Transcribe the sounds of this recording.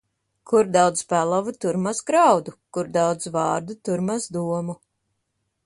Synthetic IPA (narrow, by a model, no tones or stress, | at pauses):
kuɾd̪awd̪spælˠavut̪uɾmasɡɾawd̪ukuɾd̪awd̪zvɑːɾd̪ut̪uɾmasd̪uɔmu